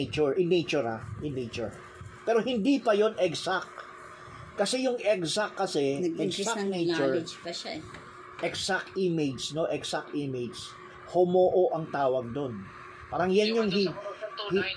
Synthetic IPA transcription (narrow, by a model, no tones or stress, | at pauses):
t͡ʃʊɹʔɪnejt͡ʃʊɹaʔɪnet͡ʃʊɹ | pɛːɾohɪnd̪ipɐjonɛɡsak | kɐsɛjʊŋɛksakːɐsɛɛɡanejt͡ʃʊɹ | ʔɛksak̚t̪imejd͡ʒsno̞ʔɛksak̚t̪imejd͡ʒs | homoːʔo̞ʔɐŋt̪aːwɐɡ̚d̪on | paːɾɐŋjanjʊŋɦih